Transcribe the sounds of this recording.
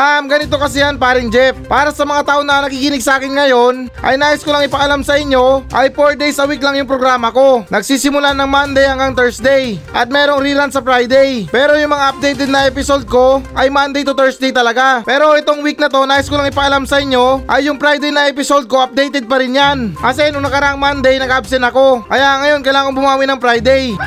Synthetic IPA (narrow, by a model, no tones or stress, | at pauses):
ʔamɡɐnɪt̪o̞kɐsɪjanpaːɾɪŋd͡ʒɛp̚paːɾɐsɐmɐŋat̪aːʔonɐnɐkiːkɪnɪɡsɐaːkɪnŋɐjo̞nʔɐ̰jnaːʔɪskolaŋɪpɐɐlamsɐɪɲːo̞ʔɐjfoɹd̪ɛjsɐwiklaŋjʊŋpɾoɡɾaːmɐko̞nɐɡsiːsɪmʊlanɐŋmand̪ɛjɐŋɡaŋt̪ɛɹsd̪ɛjʔɐt̪̚mɛːɾoŋɾiɾansɐpɾajd̪ɛjpɛːɾo̞jʊŋmɐŋaʔɐp̚d̪ejt̪ɛd̪̚nɐʔɛpɪso̞d̪̚ko̞ʔɐjmand̪ejt̪ʊt̪ɛɹsd̪ejt̪ɐlɐɡapɛːɾo̞ʔɛt̪o̞ŋwik̚nɐt̪o̞naːɪskolaŋɪpɐʔɐlamsɐʔɪɲːo̞ʔɐjːʊŋpɾajd̪ɛjnɐʔɛpɪsod̪̚ko̞ʔɐp̚d̪ejt̪ɛd̪̚pɐɾɪnjanʔɐs̬ɛnʊŋnɐkɐɾaʔɐŋmand̪ɛjnɐɡɐɐbsɛnɐko̞kɐjaʔɐŋɐjo̞nkɐjlaːkoŋbʊmaːwinɐŋpɾajd̪ɛj